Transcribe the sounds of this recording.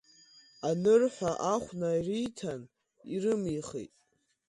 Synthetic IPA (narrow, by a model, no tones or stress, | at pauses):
anɨrħʷaʔaχʷnairijtʰan | irɨmiχḭtʼ